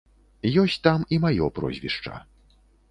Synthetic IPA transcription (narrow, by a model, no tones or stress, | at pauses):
jɔsʲt͡sʲt̪amimajɔpɾɔ̰zʲvʲḭʂt͡ʂɐ̰